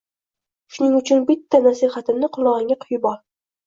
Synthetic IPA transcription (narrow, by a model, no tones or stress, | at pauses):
ʃʊnɪŋʊt͡ʃʰʊnbɪt̪ʰːanasiχat̪ʰɪmnɪqʰʊlˠɒʁɪŋʲaqʰʊjbɒɾ